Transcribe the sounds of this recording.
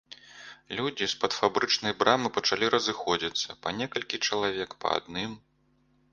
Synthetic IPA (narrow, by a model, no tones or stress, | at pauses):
lʲud͡zʲispɐt̪fabɾɨt͡ʂnɐjbɾʔamɨpɐt͡ʂalʲiɾʔɐzɨxɔd͡zʲit̪sːɐpanʲɛkɐlʲkʲit͡ʂɐlˠavʲɛkpɐ̰a̰d̪̚nɨm